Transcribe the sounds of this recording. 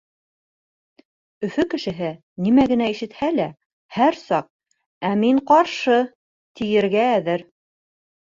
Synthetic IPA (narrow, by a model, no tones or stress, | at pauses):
ɵ̆fɵkɘ̆ʃɘ̆ɦɘ | nimæɡɘ̆næiʃɘ̆t̪hælæ | hæɾsɑq̚ | æmiɴqɑɾʃɤ | t̪ijɘ̆ɾɡæːðɘɾ